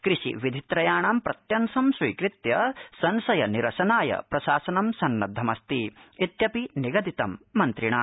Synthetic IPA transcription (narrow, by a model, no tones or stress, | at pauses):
kɾiʃḭʋid̪ʱit̪ɾɐjaːɳaːmpɾɐt̪jɐnsɐmsʋiːkɾit̪jɐsɐnsɐjɐniɾɐʃɐnaːjɐ̰pɾɐʃaːsɐnɐmsɐnːɐd̪ʱːɐmɐst̪iit̪jɐpiniɡɐd̪ʱit̪ɐmːɐnt̪ɾiɳaː